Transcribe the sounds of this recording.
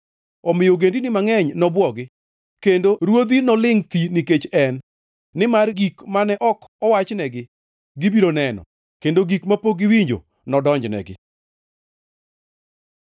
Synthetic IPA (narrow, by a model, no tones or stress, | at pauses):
ɔmɪjoɡendinɪmaŋɛɲnɔbwɔɡɪ | kendoɾwod̪inɔlɪŋt̪iniket͡ʃɛnː | ɪmarɡikmanɛʔɔkɔwat͡ʃnɛɡɪ | ɡɪbiɾonɛnɔ̰ | kendoɡikmapoɡɪwiɲd͡ʒo̰ | nɔdɔɲd͡ʒnɛ̰ɡɪ̰